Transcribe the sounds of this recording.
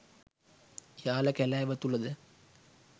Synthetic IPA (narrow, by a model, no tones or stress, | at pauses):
jaːləkælæːʋət̪ulɐd̪ə